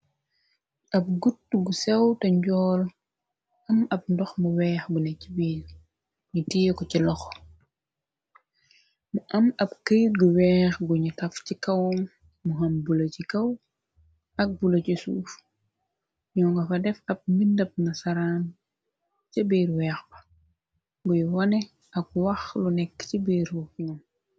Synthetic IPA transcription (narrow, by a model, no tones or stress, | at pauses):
ʔɐp̚ɡutːɡusɛwtɐɲɟɔːl | ʔɐmɐp̚ndɔxmuwɛːxɡunɛcibiːl | ɲutiːjkɔcilɔx | muʔɐmɐp̚kəjt̚ɡuwɛːxɡuɲutɐfcikɐwmː | uɦɐmbulɐcikɐw | ʔɐk̚bulɐcisṵːf | ɲɔːŋɡɐfɐdɛfɐp̚mindɐp̚nɐsɐɾaːm | cɐbiːɾwɛːxbɐ | ɡujuwɐnɛ | ɐk̚wɐxlunɛkːcibiːɾufɲɔm